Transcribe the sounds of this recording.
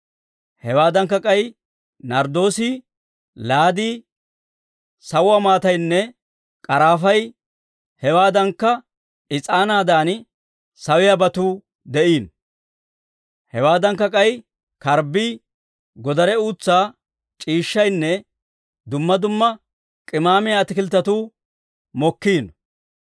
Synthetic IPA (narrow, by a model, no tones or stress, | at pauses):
hɛwaːd̪ɐŋkːɐkʼɐj | nɐɾd̪o̞ːsi | laːd̪iː | sɐwːɐmaːt̪ɐjnːɛ | kʼɐɾaːfɐj | hɛwaːd̪ɐŋkːɐ | ɪt͡sʼaːnaːd̪aːn | sɐwɪjabɐt̪uː | d̪ɛʔiːn | hɛwaːd̪ɐŋkːɐkʼɐj | kɐɾbiː | ɡɔd̪ɐɾɛuːt͡sːaː | t͡ʃʼiːʃːɐjnːɛ | d̪ʊmːɐd̪ʊmːɐ | kʼɪmaːmɪjaːt̪ɪkɪlt̪ːɐt̪uː | mɔkːiːn